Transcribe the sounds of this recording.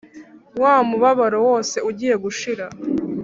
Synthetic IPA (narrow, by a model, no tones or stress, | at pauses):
waːmuβaβaɾo̞wo̞ːse̞uɟiːje̞ɡuʃiɾa